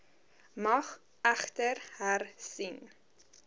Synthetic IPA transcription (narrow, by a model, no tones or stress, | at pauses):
mɐχ | æχtərhærsin